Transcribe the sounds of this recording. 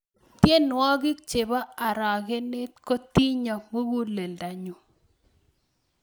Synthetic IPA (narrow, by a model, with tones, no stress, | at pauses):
tje˦nwɔ˦ɡi˦k̚t͡ʃe˨ba˦a˨ɾa˨ke˦ne˦tko˦ti˦ɲɔ˨mo˦ɡu˦le˨lda˨ɲu˨